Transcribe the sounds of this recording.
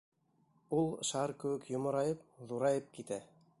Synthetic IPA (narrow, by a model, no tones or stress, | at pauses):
ulˠʃɑɾkɘ̆wɘkjŏmŏɾɑjɤp̚ðuɾɑjɤp̚kit̪æ